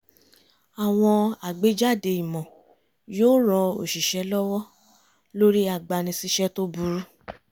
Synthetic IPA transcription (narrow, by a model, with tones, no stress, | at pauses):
a˨w̃ɔ̃˧a˨ɡ͡be˨˦d͡ʒa˦˨de˧i˨mɔ̃˨ | joː˦ɾ̃ɔ̃˧o̰˨ʃi˨ʃɛ˧˦lɔ˦wɔ˦ | lo˦ɾi˦a˦˨ɡ͡ba˨nĩ˧si˦ʃɛ˦to˦bu˨˧˦ɾu˦